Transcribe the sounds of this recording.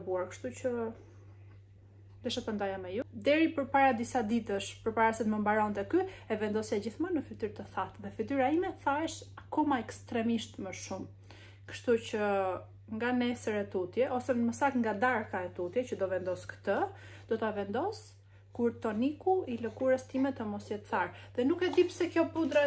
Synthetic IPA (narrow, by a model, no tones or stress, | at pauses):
buaɾkə̥ʃt̪ut͡ʃə | d̪ɛʃat̪and̪ajamɛjud̪ɛɾipəɾpaɾad̪isad̪it̪əʃpəɾpaɾasɛt̪məmbaɾɔnt̪ɛkyɛvɛnd̪ɔsjad͡ʑiθmənəfit̪yɾt̪əθat̪ðɛfit̪yɾaimɛθaɛʃakɔmaɛkst̪ɾɛmiʃt̪məʃum | kə̥ʃt̪ut͡ɕə | ŋɡanɛsəɾɛt̪ut̪jɛʔɔsɛməsakŋɡad̪aɾkaɛt̪ut̪jɛcəd̪ɔvɛnd̪ɔskə̥t̪ə | d̪̥ɔt̪avɛnd̪ɔs | kuɾt̪ɔnikuiləkuɾəst̪imɛt̪əmɔsjɛt̪θaɾðɛnukɛd̪ipsɛkjɔpud̪ɾa